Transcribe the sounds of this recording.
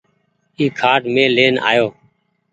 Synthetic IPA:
iːkʰaːʈmẽːleːnʔa̰ːjoː

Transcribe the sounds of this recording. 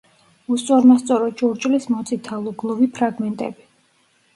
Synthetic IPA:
ust̪sʼɔɾmast̪sʼɔɾɔt͡ʃʼuɾt͡ʃʼlismɔt̪sʼit̪ʰalˠɔɡlˠɔvipʰɾaɡmɛnt̪ʼɛ̰bi

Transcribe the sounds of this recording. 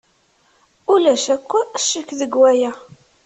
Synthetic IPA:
ulæʃækʷːæʃːəkːðəɡwæjæ

